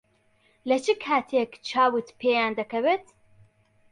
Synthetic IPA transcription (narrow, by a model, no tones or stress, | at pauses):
lɐt͡ʃʰɨkʰaːt̪ʰekt͡ʃʰaːwɨt̪pʰeːjaːnd̪ɐkʰɐvet̪